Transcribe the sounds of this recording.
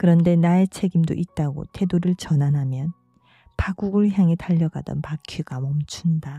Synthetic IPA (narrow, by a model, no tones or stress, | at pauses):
kɯɾʌnde̞nae̞t͡ɕʰe̞ɡimdo̰ʔit̚t͈aɡo̰tʰe̞doɾɯɭt͡ɕʌnanɦamjʌn | paɡuɡɯɭçjaŋetaʎːʌɡa̰dʌ̰npakʰjiɡ̥amʌmt͡ɕʰunda